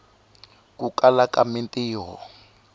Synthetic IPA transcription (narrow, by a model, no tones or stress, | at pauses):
kukalakamintiːɦɔ̰